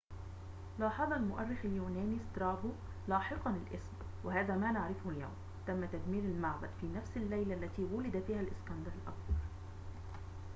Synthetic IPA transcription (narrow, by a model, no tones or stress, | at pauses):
lɑːħɑðˤɑlmʊʔærːɪxljuːnæːnist̪ɾˤɑːbu | lɑːħɪqɑnɪlʔɪsb | wɪɦæːðæːmæːnaʕɾɪfʊhʊlja̰wm | t̪æmːæt̪æd̪miːɾalmaʕbad̪fiːnæfsɪlːajlælːæt̪iːwʊlɪd̪æfiːhælʔɪskɑnd̪alɪlʔɑ̰kbɑɾˤ